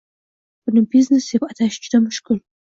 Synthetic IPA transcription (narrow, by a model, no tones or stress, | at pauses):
pnɨbiznesepʼatʰaːʃt͡ʃʰʼtʰɐmɨʂkʼɨl